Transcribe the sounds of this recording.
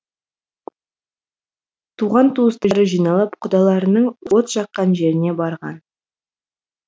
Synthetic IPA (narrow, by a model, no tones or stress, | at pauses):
t̪ʰuʁɑnt̪ʰuəst̪əɾəʒijnɑlˠəpqʰʊd̪ɑlˠɑɾənəɴwoot̪ʃɑqːɑnʒe̞ɾɪne̞bɑɾʁɑ̰n